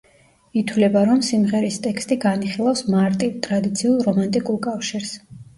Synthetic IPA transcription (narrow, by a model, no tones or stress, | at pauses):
it̪ʰwlɛbaɾɔmsimʁɛɾist̪ʼɛkst̪ʼiɡaniχilˠafsmaɾt̪ʼivt̪ʼɾad̪it̪sʰiulˠɾɔmant̪ʼikʼulˠkʼafʃiɾs